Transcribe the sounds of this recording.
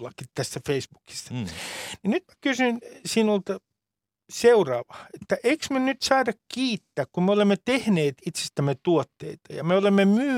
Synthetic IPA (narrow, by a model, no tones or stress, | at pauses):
lːɑkit̪t̪æst̪æfeisb̥uki̥st̪ɑ̥ninyt̪mækysynsiːnolt̪ɑ | seurɑːʋɑet̪ːæʔeiksmenyt̪sɑːdɑkkiːt̪ːæːkkummeolemːet̪ehneːt̪it̪se̥st̪æmːet̪uot̪ːḛit̪ɑjɑ̰meolemːemyː